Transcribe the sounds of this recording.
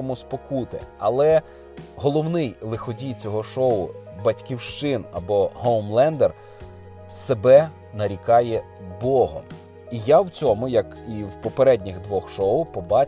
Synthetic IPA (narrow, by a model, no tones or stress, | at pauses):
ɔmʊspɔkut̪ɪ̰ɐ̰lˠɛ | ɦɔlˠɔwnɪjlˠɪxɔdʲijt͡sʲɔɦɔʃɔʊbɐtʲkʲiwʃt͡ʃɪnɐ̰bɔhɔwmlˠɛnd̪er | sebɛ | nɐɾʲikɑjɛ | bɔɦɔ̰m | ijawt͡sʲɔmʊjɐk | iwpɔpeɾɛdʲnʲiɣd̪ʋɔxʃɔʊpɔbɑ